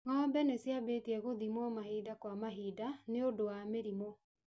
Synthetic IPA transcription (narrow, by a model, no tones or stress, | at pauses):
ŋɔːmbɛnesjabeːtiɛɣoðimwɔmahiːdakwamaɦiːdaneodowameɾimo